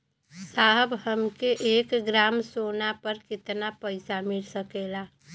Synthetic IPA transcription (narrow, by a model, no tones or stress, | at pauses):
saɦəbɦəmkeʔekɡɾamsonapəɾkɪt̪napəɪsamɪɽsəkela